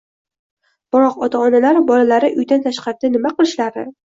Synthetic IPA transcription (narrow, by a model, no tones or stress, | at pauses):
b̥ɪɾɒqɒt̪ʰaɒnalaɾbɒlalaɾɪʔʊjd̪ant̪ʰaʃqɑɾɪd̪anɪmaqɨlˠɪʃlaɾd̪ɪ̰